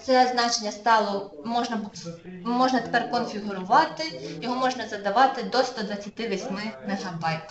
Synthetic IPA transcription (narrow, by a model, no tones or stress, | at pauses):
t̪sɛznɑt͡ʃenʲːɐst̪ɑlˠɔmɔʒnɐbmɔʒnɐt̪e̥pɛrkɔnfʲiɦʊɾʊʋɑt̪ɪjɔɦɔmɔʒnɐzɐd̪ɐʋɑt̪ɪd̪ɔst̪ɔd̪ʋɐt͡sʲːɐt̪ɪʋisʲmɪmɛɦɐbɑjt̪